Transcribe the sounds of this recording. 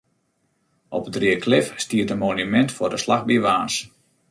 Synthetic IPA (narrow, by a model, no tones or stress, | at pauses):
ʔɔpətriəkʰlɪfstiətənmonymɛntfʊrdəslaxbiʋaːns